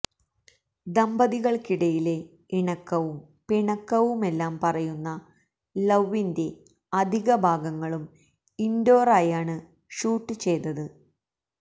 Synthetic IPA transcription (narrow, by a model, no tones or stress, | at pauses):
d̪ɐmbɐðiɣɐɭkiɽɐjile̞ | iɳɐkːɐʋum | piɳɐkːɐʋume̞lːaːmpɐrɐjunːɐ | lɐʋːinde̞ | ɐd̪ʱiɣɐbʱaːɡɐŋːɐɭum | indoːraːjaːɳɨ | ɕuːʈːɨt͡ɕe̞jnːɐðɨ